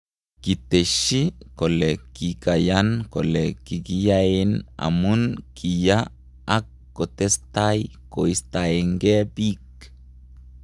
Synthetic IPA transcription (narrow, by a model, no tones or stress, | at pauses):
kit̪eʃikolekikajankolekiɡijaena̰munkʰijaː | kːot̪est̪ajkoist̪aeŋɡebik